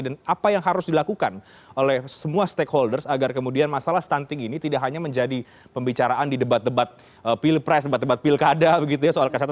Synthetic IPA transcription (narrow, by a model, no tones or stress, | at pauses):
danapajaŋɦaɾʊsdilakukan | ʔolɛhsəmuast̪ekholdərsaɡarkəmudianmasalahst̪ant̪ɪŋinit̪idaʔkɦaɲaməɲd͡ʒadi | pəmbit͡ʃaɾaʔandidəbat̪̚dəbat̪̚ | əpilpɾɛs̬dəbat̪̚dəbat̪̚pilkadabəɡit̪ujasoalkasat̪